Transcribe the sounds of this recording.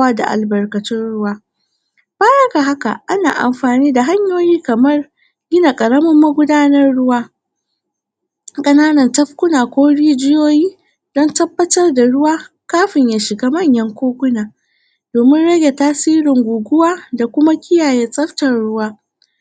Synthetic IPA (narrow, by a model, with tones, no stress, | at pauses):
a˦da̰˨ʔa̰˨lbɐ˨rkɐ˨tɪ˦nɽʊ˦waː˦ | baː˦jɐ˦ka˨ɦa˦ka̰˨ʔa˦na̰ː˨ʔa̰˨mɸaː˨niː˦da˨ɦa˦ɲjoː˦jiː˦kɐ˨mɐ˦r | ɡʲɪ˦na˨kʼɐ˨ɽɐ˦mʊ˦mːa˦ɡʷʊ˦daː˦nɐ˦rɽʊ˦waː˦ | kʼɐ˦naː˦nɐ˨ntɐ˦ɸkʷʊ˦naː˨kʷoː˦ɽiː˦d͡ʒɪ˦joː˦jiː˦ | d̥ɔ˦ntɐ˦bːɐ˦tɐ˦rda˨ɽʊ˦waː˦kaː˦ɸɪ˨ɲjaː˨ʃɪ˨ɡa˦mɐ˦˨ɲjɐ˦ŋkʷoː˦kʷʊ˦naː˨ | d̥oː˨mɪ˦nɽɐ˦ɡʲe˨taː˦siː˦ɾɪ˨ŋɡʷuː˨ɡʷʊ˦waː˦da˨kʷʊ˦ma˦kʲɪ˦jaː˨jɛ˦sʼɐ˦rtɐ˨rɽʊ˦waː˦